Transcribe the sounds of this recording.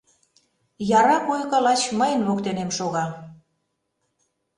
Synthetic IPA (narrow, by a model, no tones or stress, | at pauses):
jɑɾɑkojkə̆lɑt͡ɕməjənβokt̪enemʃoɣɑ